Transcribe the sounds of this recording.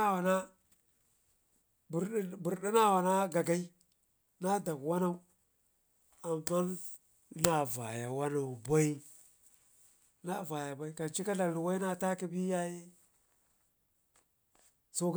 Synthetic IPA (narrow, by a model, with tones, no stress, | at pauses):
wa˨na˦ | bbu˨ɾɗi˦na˦wa˨na˦ɡa˨ɡa˦i˦ | na˦da˨kwa˦na˦u˦ | a˨mːa˦n˦ | na˦˨va̰˨ja˨wa˦na˨u˨ba˦i˦ | na˦˨va˨ja˨ba˨i˦ka˨t͡ʃi˦ka˦da˨lu˨wa˦i˦na˦ta˦ki˦bi˦ja˦ji˦ | so˦ɡ